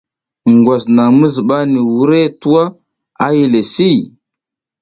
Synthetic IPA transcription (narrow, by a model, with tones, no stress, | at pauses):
ŋɡwa˨sna˨ŋmə˦zi˨ɓa˦ni˨wu˦ɾe˦tu˦wa˦ | a˦ji˨le˨si˦˨